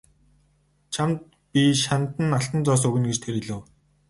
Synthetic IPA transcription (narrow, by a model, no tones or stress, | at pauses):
t͡ɕʰamt̪̚ | pʲiʃant̪ə̆naɬt̪ə̆nt͡sɔːs̬ɵɣɘ̆nɡet͡ɕt̪ʰeɾiɮɘ̆w